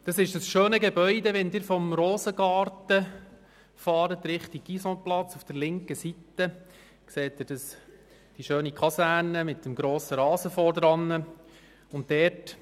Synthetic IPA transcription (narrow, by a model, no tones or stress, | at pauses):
d̥ɑsɪʃd̥ɑsʃøːnəɡɛbœʏdɛʋɛndɪːɾfɔmɾoːzəɡɑːrtə | fɑːɾətɾɪχtiɡ̚ɡisɔ̃plɑt͡sufd̥əɾlɪŋkəsitːə | kseːt̚ɪɾd̥ɑs | d̥iʃøːnikʰɑsæɾnəmɪtəmɡɾoːsəɾɑːsəfɔːɾdɾɑnːə | ʊntdɛrt